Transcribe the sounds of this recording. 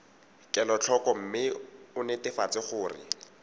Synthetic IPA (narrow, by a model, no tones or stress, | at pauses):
kʼɛlɔt͡ɬʰɔkɔm̩mɪʊnɪtɪfat͡sɪχʊːrɪ̰